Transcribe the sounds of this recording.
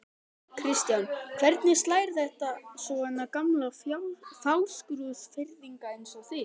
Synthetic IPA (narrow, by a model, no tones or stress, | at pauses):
kʰɾɪst̪jankʰv̥ɛɾt̪nɪst̪laːjɾθɛht̪asɔɛnːakamlafawskɾʏðfɪɾðiŋkaensɔθɪ